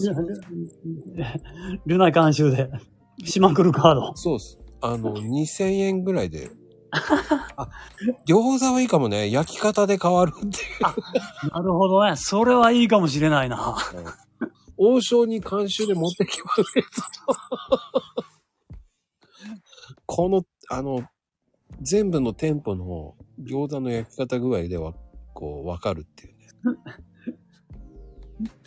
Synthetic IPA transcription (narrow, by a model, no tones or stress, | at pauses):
ɾɯnaikãɰ̃ɕɨːd̪e̞ | ɕimakɯ̟ɾɯ̟kaːd̪oso̞ːsɨ̥ano̞ɲ̟isẽ̞ɰ̃ẽ̞ŋɡɯ̟ɾaid̪e̞̰ | ad̪ʲjo̞zaβaiːkamo̞ne̞jakʲi̥kat̪ad̪e̞kaβaɾɯt̪ːe̞jɯanaɾɯ̟ɦo̞d̪o̞neso̞ɾe̞βaiːkamo̞ɕ̬iɾe̞naina | oːɕo̞ːɲ̟ikʰãɰ̃ɕɨːd̪e̞mo̞t̪ːe̞kʲi̥mases | kʰo̞no̞ | ano̞ | d͡zẽ̞mbɯ̟no̞t̪ẽ̞mpo̞no̞̰ɡʲo̞ːd̪ãnːo̞jakʲi̥kat̪aɡɯ̟ɾaid̪e̞βa̰kʰo̞̰ːβakaɾɯ̟t̪ːejɯ̟ne